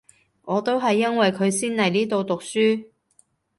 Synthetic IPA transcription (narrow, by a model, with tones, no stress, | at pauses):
ŋɔː˨˧t̪o˥wɦɐ˨jːɐ˥nwɐ˨jkʰɵ˨˧ɥsiː˥nlɐ˨˩jniː˥t̪o˨˧wt̪ʊ˨k̚syː˥